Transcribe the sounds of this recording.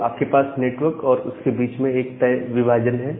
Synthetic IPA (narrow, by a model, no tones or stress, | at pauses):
aːp̚kepaːsneːʈʋəɾkɔːɾʊskebiːt͡ʃmẽeːk̚t̪ɐjʋɪbʱaːd͡ʒənɦɛː